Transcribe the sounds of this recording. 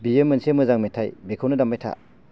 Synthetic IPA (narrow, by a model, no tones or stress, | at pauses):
biemːɯnsemɯzaŋmetʰajbekʰawnɐdamːajtʰa̰